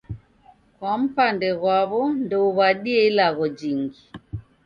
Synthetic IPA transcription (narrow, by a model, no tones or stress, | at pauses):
kwam̩pandɛɣwaβɔndɛuβaɗiɛilaɣɔd͡ʒiŋɡi